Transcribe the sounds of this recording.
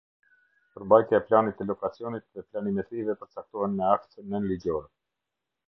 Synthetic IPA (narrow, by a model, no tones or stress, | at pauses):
pəɾmbajt̪jaɛplanit̪ɛlɔkat͡siɔnit̪̚ðɛplanimɛt̪ɾivɛpəɾt͡sak̚t̪ɔhɛnmɛakt̪ənːənlid͡ʑɔɾɛ